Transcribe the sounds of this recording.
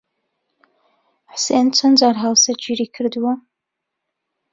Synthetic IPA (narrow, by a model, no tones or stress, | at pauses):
ħseːnt͡sʷʰɐnzaːrħalsɐt͡ʃiriːkʰɨrdwa